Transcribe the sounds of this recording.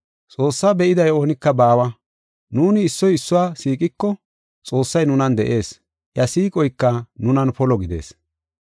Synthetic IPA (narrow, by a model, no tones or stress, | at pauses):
t͡sʼo̞ːsːaːbɛʔɪd̪ɐjo̞ːnɪkːɐbaːwɐ | nuːnɪːsːɔjɪsːʊwaːsiːkʼɪkːɔ | t͡sʼo̞ːsːɐjnʊnɐnd̪ɛʔe̞ːs | ʔjɐsiːkʼɔjkːɐnʊnɐnpɔlɔɡɪd̪e̞̰ːs